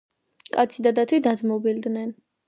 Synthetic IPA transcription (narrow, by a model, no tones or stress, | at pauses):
kʼat̪sʰid̪ad̪at̪ʰwid̪ad̪zmɔbild̪nɛn